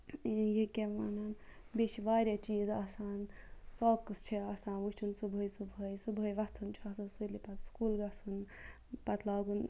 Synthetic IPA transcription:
jekʲeʋanan | bʲet͡ʃʰiʋaːɾʲat͡ʃiːzɐsaːnsɔːkɨst͡ʃʰiasaːnʋuʈʰunsubʱəjsubʱəjsubʱəːjʋɐst̪ʰunt͡ʃʰiasasujlipɐtskuːlɡɐsun | pɐt̪ʰlaːɡun

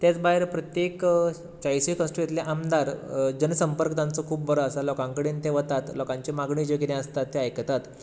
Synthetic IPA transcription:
t̪jat͡sbaɦeɾpɾət̪jek | t͡ɕajsikə̃sʈɾuet̪leʔamd̪aɾd͡ʑənsəmpəɾkət̪ãnt͡sɔkʰuːp̚bəɾɔəsalɔkãŋkəɽiːnt̪eʋət̪at̪lɔkãɲt͡ɕemaɡɳiːd͡ʑəkiɾẽəst̪at̪ːeajkt̪at̪

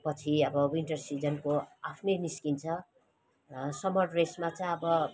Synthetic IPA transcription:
pʌt͡sʰiʌbʌwinʈʌrsid͡zʌnkoapʰnʌniskint͡sʰʌ | sʌmʌɽresmat͡saj̃ʌbʌ

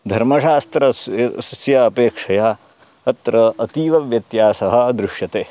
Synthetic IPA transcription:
d̪ʱɐɾmɐʂaːst̪ɾɐsɐsjɐːpeːkʂɐjaː | ɐt̪ɾɐɐt̪iːʋɐʋjɐt̪jaːsɐɦɐ̆d̪ɾuʂjɐt̪eː

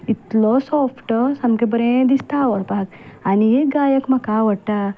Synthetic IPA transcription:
it̪losopʰʈɔsɐmkebɐɾẽd̪ist̪aːwɔɽpaːk | anijeɡaːjɐkmɐkaːʋɐʈːa

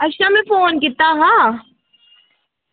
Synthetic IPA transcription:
ɐʃamẽfoːnkɪt̪ːaɦãː

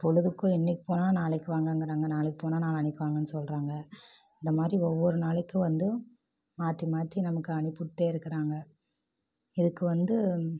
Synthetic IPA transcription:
pɔɻɯðɯkːõɪnːɪkːɯ̥poːnaːnaːɭɪkːɯʋaːŋɡɐŋɡɪɾaːŋɡɐnaːɭɪkːɯ̥poːnaːnaːlɐɐnɪkːɯʋaːŋɡɐnːɯsɔlɾaːŋɡɐ | ɪnd̪ɐmaːd̪ɾiɔʋːɔɾɯnaːɭɪkːɯ̃ʋɐnd̪ɯ | maːt̪ːimaːt̪ːinɐmɐkːɯɐɳɪpːʊʈ̪ːeːɪɾɯkːɐɾaːŋɡɐ | ɪðɯkːɯʋɐnd̪ɯ

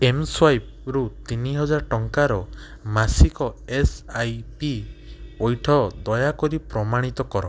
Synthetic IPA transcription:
emswajp̚ | ɾut̪iniɦɔd͡ʒaɾʈɔŋkaɾɔ | masikɔesajpiɔjʈʰɔd̪ɔjakɔɾipɾɔmaɽ̃it̪ɔkɔɾɔ

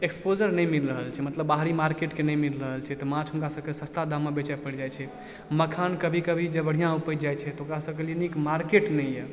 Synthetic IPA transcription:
ekspod͡ʒəɾnɛjmilɾəɦəlt͡ʃʰɛmət̪ləbːaɦɾimaɾkeʈkenɛjmilɾəɦəlt͡ʃʰɛt̪ɔmãt͡ʃʰɦuŋkasə̃kesə̃st̪ʰad̪amːabet͡ʃapəɽd͡ʒajt͡ʃʰɛ | məkʰankəbʱikəbʱid͡ʒebəɽ̤ijãupəd͡ʒajt͡ʃʰɛt̪ɔokɾasəkelenikmaɾkeʈnɛjjɛ

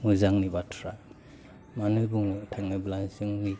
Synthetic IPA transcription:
ŋuzaŋnibatʰɔɾa | manujbuŋɔtʰaŋɯblazɯŋni

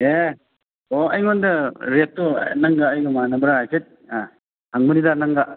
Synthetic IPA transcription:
e | oɐjŋondɐɾetːo̰nɐŋɡaːjɡɯmanɐbɐɾaɦajsʰet̚a | haŋmɯnidanɐŋɡa

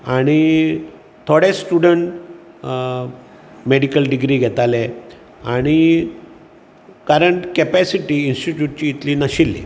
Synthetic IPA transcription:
aɽ̃i | t̪ʰoɽesʈuɽəɳʈ | meɽikəlɖiɡɾiːɡʱɛt̪ale | aɽ̃i | kəɾəɳʈkepæsiʈiːinsʈiʈjuʈ̚t͡ɕiːit̪liːnaɕilːḛ

